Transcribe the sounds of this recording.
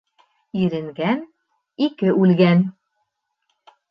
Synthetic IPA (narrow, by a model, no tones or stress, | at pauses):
iɾɘ̆ŋɡæn | ikɘʔʉlɡæn